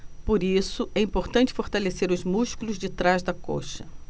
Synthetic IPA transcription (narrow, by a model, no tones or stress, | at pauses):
poɾisʊʔɛĩmpoɾt̪ɐ̃nt͡ʃɪ̥foɾt̪aleseɾʊzmuʃkulʊzd͡ʒɪt̪ɾazd̪ɐko̰ʃɐ